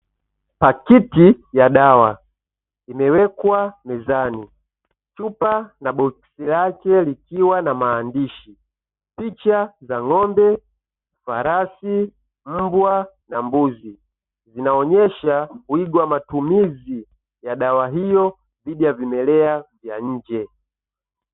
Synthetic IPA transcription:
pakitijaɗawa̰ | imɛwɛkwamɛzani | t͡ʃupanaɓɔksilakɛlikiwanamaːndiʃi | pit͡ʃazaŋɔmbɛ | faɾasi | m̩bwa | nambuzi | zinaɔɲɛʃakuiɡwamatumizi | jaɗawaɦijɔ | diɗijavimɛlɛavjaɲ̩ːd͡ʒɛ

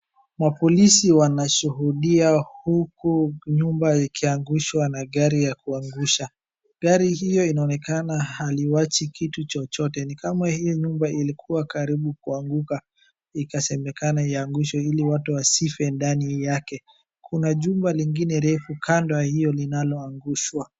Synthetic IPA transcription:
mapɔlisiwanaʃuɦuɗiahukuɲumbaikʰiaŋɡuʃwanaɠaɾijakuaŋɡuʃa | ɡaɾihijɔinaɔnɛkanaaliwat͡ʃikʰitut͡ʃɔt͡ʃɔtɛnikamahijɔɲumbailikuwakaɾiɓukuaŋɡuka | ikasɛmɛkanaiaŋɡuʃɔiliwatuwasifɛndanijakɛ | kʰunaʄumbaliŋɡinɛɾɛfukʰandɔahijɔlinalɔaŋɡuʃwa

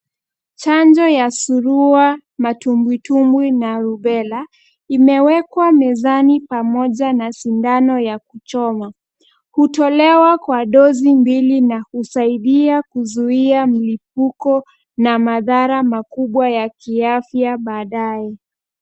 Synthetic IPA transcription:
t͡ʃand͡ʒɔjasuɾua | matumbwitumbwinaɾuɓɛla | imɛwɛkwamɛzanipamɔʄanasindanɔjakut͡ʃɔma | hutɔlɛwakwaɗɔzimbilinakusaiɗiakuzuiamilip̚ukɔ | namaðaɾamakuɓwajakiafjaɓaːɗaɛ

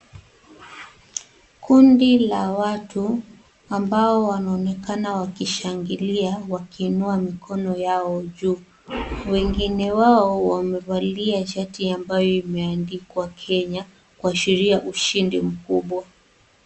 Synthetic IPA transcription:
kundilawatu | ambaɔwanaɔːnɛkanawakiʃaŋɡiliawakiːnuamikʰɔnɔjaɔʄuː | wɛŋɡinɛwaɔwamɛvaliaʃatiambajɔimɛandikwakʰɛɲa | kuaʃiɾiaʔuʃindim̩kuɓwa

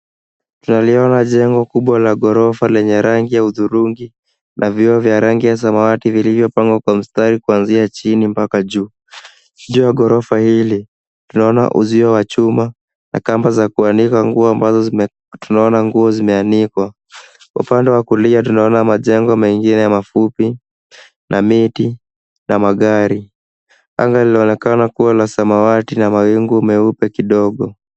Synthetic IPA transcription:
tunaliɔnaʄɛŋɡɔkuɓwalaɠɔɾɔfalɛɲɛɾaŋɡijauðuɾuŋɡi | nʔavjiɔvjaɾaŋɡijas̬amawativilivjɔpaŋɡwakwam̩staɾikuanziat͡ʃinimpakaʄuː | ʄuːjaɠɔɾɔfahili | tunaɔna̰ʔṵziɔwat͡ʃuma | na̰kambazakuanikaŋɡuɔambazɔ | tunaɔnaŋɡuɔzimɛanikwa | kwaupandɛwakuliatunaɔnamaʄɛŋɡɔmɛŋɡinɛjamafupi | nʔamiti | namaɠaɾi | a̰ŋɡaliliɔnɛkanakuwalasamawatinamawiŋɡumɛupɛkiɗɔɠɔ

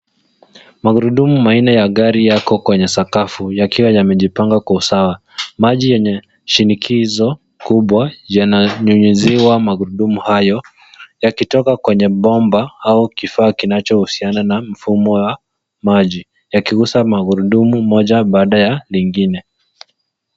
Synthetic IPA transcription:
maɣuɾuɗumumainɛjaɠaɾijakɔkwɛɲɛsakafujakiwajamɛʄipaŋɡakwausawa | maʄijɛɲɛ | ʃinikʰizɔ | kuɓwajanaɲuɲuziwamaɣuɾuɗumuhajɔ | jakitɔkakwɛɲɛɓɔmbaaukifaːkinat͡ʃɔhusiananam̩fumɔwa | maʄi | jakiɣusamaɣuɾuɗumumɔʄaɓaːɗajaliŋɡinɛ

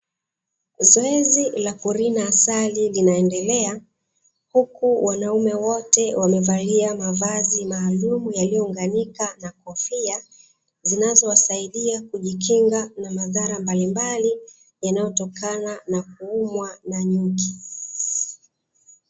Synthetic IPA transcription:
zɔɛzilakuɾinaːsalilinaɛndɛlɛa | hukuwanaumɛwɔtɛwʔamɛvaliamavazimaːlumujalijɔuŋɡanikanakɔfia | zinazɔwasaiɗiakuʄikiŋɡanamaðaɾambalimbali | janajɔtɔkananak̚uumwanaɲuki

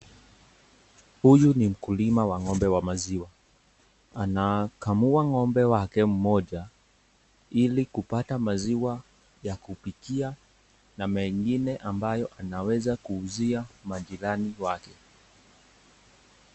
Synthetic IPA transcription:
hujunim̩kulimawaŋɔmbɛwamaziwa | anakamuaŋɔmbɛwakɛm̩mɔʄa | ilikupatamaziwa | jakupikia | namɛŋɡinɛʔambajɔʔanawɛzakuːziamaʄiɾaniwakɛ

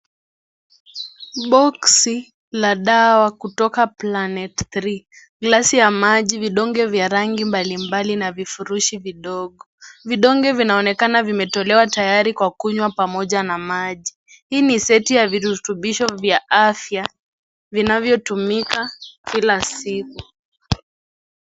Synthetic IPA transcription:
ɓɔksi | laɗawakutɔkaplanɛtθɾi | ɡlasijamaʄiviɗɔŋɡɛvjaɾaŋɡimbalimbalinavifuɾuʃiviɗɔɠɔviɗɔŋɡɛvinaɔnɛkanavimɛtɔlɛwatajaɾikwakuɲwapamɔʄanamaʄi | hiːnisɛtijaviɾutuɓiʃɔvjaʔafja | vinavjɔtumikakilasiku

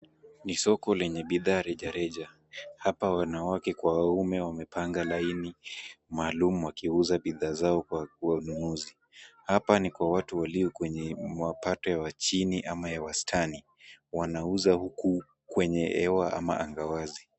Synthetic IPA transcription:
nisɔkɔlɛɲɛɓiðaːɾɛʄaɾɛʄa | hapawanawakɛkwawaumɛwamɛpaŋɡalainimaːlum̩wakiuzaɓiðaːzaɔkwauwanunuzi | hapanikwawatuwaliɔkwɛɲɛmapatɔjawat͡ʃiniʔamajawastʰani | wanauzahuku | kwɛɲɛɛwaʔa̰ma̰ʔa̰ŋɡawazi

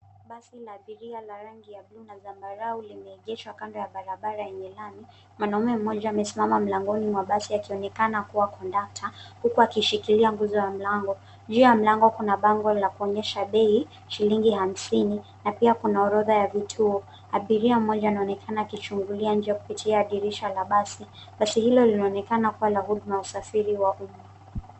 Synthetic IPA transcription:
ɓasilaːɓiɾialaɾaŋɡijablunazambaɾaulimɛːʄɛʃwakandɔjaɓaɾaɓaɾaɛɲɛlami | mwanaumɛm̩ːɔʄaːmɛsimamam̩laŋɡɔnimwaɓasiakiɔnɛkanakuwakʰɔndak̚tʰahukuakiʃikiliaŋɡuzɔjam̩laŋɡɔ | ɲd͡ʒiajam̩laŋɡɔkunaɓaŋɡɔlakuɔɲɛʃaɓɛi | ʃiliŋɡiham̩sini | napiakunaɔɾɔðajavitʰuɔ | aɓiɾiam̩mɔʄaːnaɔnɛkʰanaːkit͡ʃuŋɡuliaɲd͡ʒɛaku̥pitʰiaːɗiɾiʃalaɓasi | ɓasihilɔlinaɔnɛkanakuwalahuɗumajausafiɾiwaʔuma

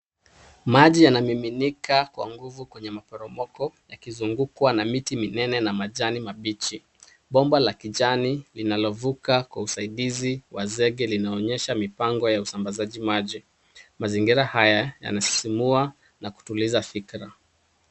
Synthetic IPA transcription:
maʄijanamiminikakwa̰ŋɡuvukwɛɲɛmapɔɾɔmɔkɔjakizuŋɡukwanamitiminɛnɛnamaʄanimaɓit͡ʃi | ɓɔmbalakiʄanilinalɔvukakwa̰usaiɗiziwazɛɠɛlinaɔɲɛʃamipaŋɡɔjausambazaʄimaʄi | maziŋɡiɾahajaja̰nasi̥simua | naku̥tulizafikɾa

